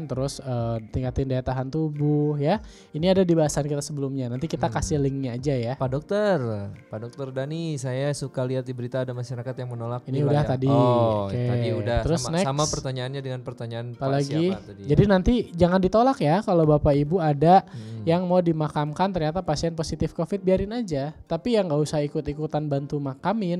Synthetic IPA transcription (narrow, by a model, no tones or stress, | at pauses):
nt̪əɾʊsəːt̪iŋkat̪ɪndaat̪aɦant̪ubʊhja | iniadadibaɦasankit̪asəbəlʊmɲanant̪ikit̪akasɪhlɪŋɲaːd͡ʒajapadɔk̚t̪ərpadɔk̚t̪ɔrdanisajasukaliɦat̪̚dibəɾit̪aːdamaʃaɾakat̪jaŋmənolak̚iniudaht̪adio̰keiudat̪əɾʊsnaɪsamapərt̪aɲaːnɲadəŋanpərt̪aɲanpalaɡi | d͡ʒadinant̪id͡ʒaŋandit̪olakjakalobapaibuadajaŋmawdimakamkant̪ərɲat̪apasiɛnposit̪ɪfkofɪt̪̚biaɾɪnad͡ʒat̪apijaŋɡausaɦaikʊt̪ikut̪anbant̪umakamɪn